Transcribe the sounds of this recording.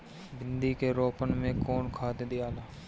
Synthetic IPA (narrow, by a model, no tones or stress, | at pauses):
bɪnd̪ikeɾoːpənmẽkɔːnkʰaːd̪ed̪ɪjaːlaː